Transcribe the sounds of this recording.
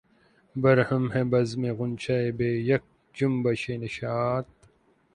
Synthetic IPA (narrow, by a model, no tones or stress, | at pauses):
bɐɾhɐmɦẽbɐzmẽɣʊnt͡ɕʰɐebeːjɐk̚ | d͡ʑumbɐɕenɐɕaːt̪̚